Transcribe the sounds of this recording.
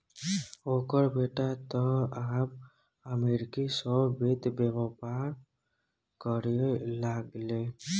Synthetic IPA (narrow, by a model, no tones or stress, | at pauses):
okəɾbeʈat̪ɔab | əmeɾikisɔbbʱet̪bebɔpaɾ | kɔɾelaɡle